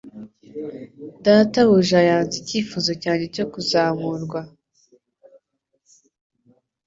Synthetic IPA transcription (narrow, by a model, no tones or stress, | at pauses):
daːtawuʒajaːnziciːfuzocaːɲe̞co̞kuzaːmuɾɡwa